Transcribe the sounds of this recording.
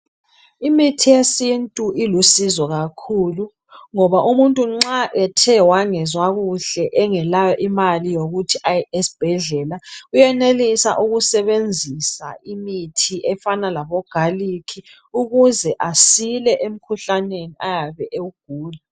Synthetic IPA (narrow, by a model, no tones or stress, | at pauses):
imitʰijesintʼuilusizɔɣakʰulu | ŋɔβaʔumuntʼuŋ͡ǁaʔɛtʰɛwaŋɛzwaɣuɬɛʔɛŋɛlajɔʔimalijoɣutʰiʔaesi̥b̥ʱɛɮɛlaujɛnelisa̰ʔuɣusɛβend͡zʱisa̰imitʰiʔɛfanalaβɔɡ̥ʱalikʰi | uɣuzɛʔasilɛʔem̩kʰuɬaneniajaβɛʔeuɡ̥ʱuːla